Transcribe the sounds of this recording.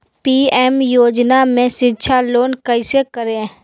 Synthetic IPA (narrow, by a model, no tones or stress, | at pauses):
piːɛːmjoːd͡ʒnamẽʃɪtːʃʰaloːnkəɪsekəɾẽ